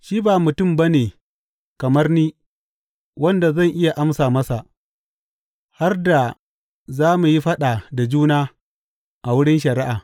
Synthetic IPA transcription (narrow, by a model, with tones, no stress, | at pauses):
ʃiː˦baː˨mʊ˨tʊ˦mbɐ˦neː˨ | kɐ˨mɐ˦rniː˦ | wɐ˦nda˨zɐ˦˨ŋʔɪ˦ja˨ʔa˦msaː˨mɐ˦sa˨ʔ | ha˦rda˨ | zaː˦mu˨ji˦ɸɐ˦ɗa˨da˨d͡ʒuː˦naː˦ | ʔa˨wʊ˦ɽɪ˦nʃ̬ɐ˨ɾɪ˦ʔaː˨